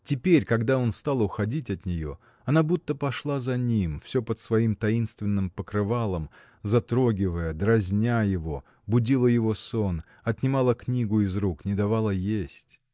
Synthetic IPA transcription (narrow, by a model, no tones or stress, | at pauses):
tʲɪpʲeɾʲkɐɡd̪ao̞nst̪alˠʊxɐdʲitʲɐt̪nʲɪjo̞̰ | ɐnabut̪ːəpɐʂlˠazɐnʲimfsʲo̞pət̪svɐimt̪ɐinst̪vʲɪnːɨmpəkɾɨvalˠəm | zɐt̪ɾoɡʲɪvəjəd̪ɾɐzʲnʲajɪvo̞ | bʊdʲilˠəjɪvo̞son | ɐt̪nʲɪmalˠəknʲiɡʊɪzɾuknʲɪd̪ɐvalˠəjesʲtʲ